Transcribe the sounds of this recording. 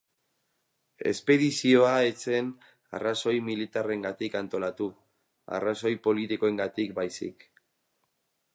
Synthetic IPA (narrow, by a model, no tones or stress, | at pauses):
e̞̰spe̞ðisio̞aet͡se̞n | a̰raso̞jmilit̪are̞ŋɡat̪ikant̪o̞lat̪u | a̰raso̞jpo̞lit̪iko̞e̞ŋɡat̪ikbajsḭk